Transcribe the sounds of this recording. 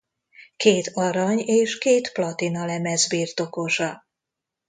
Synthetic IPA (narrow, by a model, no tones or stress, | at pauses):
keːt̪ɒɾɒɲeːʃkeːt̪plɒt̪inɒlɛmɛzbiːrt̪o̞ko̞ʒɒ